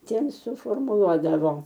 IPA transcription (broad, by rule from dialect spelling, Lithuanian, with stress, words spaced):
ˈtʲiɛm sʊfoːrmʊˈlˠuɔdɐʋoː